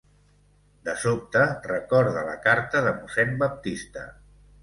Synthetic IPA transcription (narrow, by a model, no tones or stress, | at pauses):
d̪əsop̚t̪ərəkɔɾðələkaɾt̪əðəmusɛnbəp̚t̪ist̪ə